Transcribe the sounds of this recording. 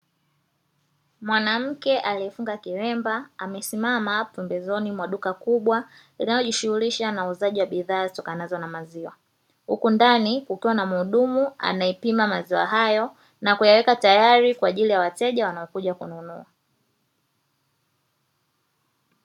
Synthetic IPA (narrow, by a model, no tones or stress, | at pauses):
mwanam̩kɛʔaliɛfuŋɡakiɾɛmbaamɛsimamapɛmbɛzɔnimwaɗukakuɓwalinajɔʄiʃuhuliʃanauzaʄiwaɓiðaːzitɔkanazɔnamaziwa | hṵkundanikukiwanamuːɗumua̰naɛpimamaziwa̰ɦajɔ | nakujawɛkatajaɾikwaːʄilijawatɛʄawanaɔkuʄakununua